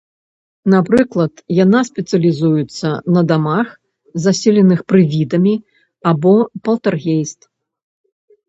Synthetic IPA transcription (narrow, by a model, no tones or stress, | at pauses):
napɾɨklˠɐt̪janasʲpʲɛt̪sɨɐlʲizujut̪sːɐnɐd̪amax | zasʲɛlʲɛnɨxpɾɨvʲid̪ɐmʲi | abɔpɐlˠt̪arɣʲejst̪